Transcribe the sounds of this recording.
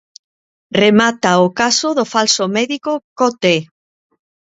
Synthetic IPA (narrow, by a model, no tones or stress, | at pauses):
remat̪aokasoðofalsomɛðikokot̪e